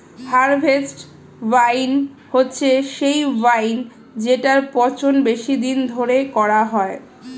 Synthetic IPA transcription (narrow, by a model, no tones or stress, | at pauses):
haɾbʱesʈ | vajn | hotːɕʰeʃejvajn | d͡ʑeʈaɾpɔt͡ɕonbeʃid̪ind̪ʱoɾekɔɾaɦɔe